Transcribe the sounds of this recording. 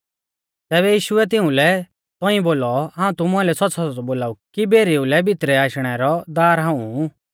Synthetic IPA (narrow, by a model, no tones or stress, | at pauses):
t̪ɛːβɛjiːʃʊɛt̪̬ɪ̃ũlɛ | t̪ɔĩboːlɔɦãːũt̪ʊmʊãlɛsɔtːsʰasɔɔboːlaːukibeːɾiulɛbʱɪt̪ɾɛaːʃɽ̃ɛɾɔd̪aːɾɦaːũ